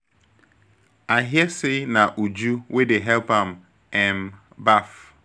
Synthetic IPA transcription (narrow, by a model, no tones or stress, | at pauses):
aɦiɛsenaʔud͡ʒuwʔedeɦɛlpãm̩ | ɛm | baf